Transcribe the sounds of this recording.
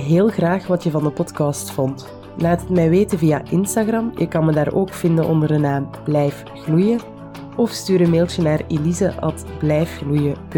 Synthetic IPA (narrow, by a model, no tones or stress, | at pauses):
ɦeːlˠɣraːxʋɑtjəvɑndəpɔtkɑstfɔnt | laːtɦətmɛjʋeːtənvijaʔɪnstaɣrɑmjə̰kɑnmədaːɾoːkfɪndənʔɔ̰ndərdənaːmb̥lɛjf | ɣlujə | ɔfstyːɾəmeːlˠtənaːrelizəʔɑ̰tblɛjfɣlujəp